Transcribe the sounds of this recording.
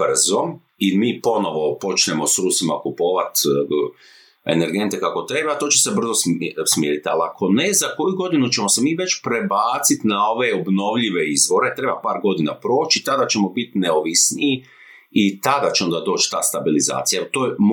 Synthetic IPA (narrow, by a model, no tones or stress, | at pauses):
brzo̞ | imiːpo̞no̞ʋo̞po̞t͡ʃne̞mo̞sɾusima̰kupo̞ːʋat̪ | e̞̰ne̞ɾɡe̞nt̪ekako̞t̪ɾe̞bat̪o̞ːt͡ʃese̞br̩zossmjeɾit̪a̰lakʰo̞ne̞zako̞juɡo̞d̪inut͡ʃemosemiːʋe̞t͡ʃpɾe̞baːt̪sit̪nao̞ʋe̞obno̞ʋʎiʋe̞izʋo̞ɾe̞t̪ɾe̞bapaːɾɡo̞d̪ina̰pɾo̞ːt͡ʃit̪ad̪at͡ʃe̞mo̞bit̪neoʋisniji | it̪ad̪at͡ʃeond̪ad̪o̞ːt͡ʃt̪aːst̪abiliza̰ːt̪sijat̪oːm